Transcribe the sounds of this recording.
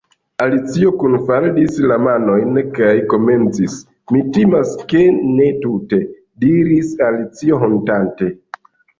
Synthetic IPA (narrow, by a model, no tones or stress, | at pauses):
alit͡sio̞kunfaldislamano̞jnkajko̞me̞nt͡sis | mitimaske̞ne̞tute̞ | diɾisalit͡sio̞ɦo̞ntante̞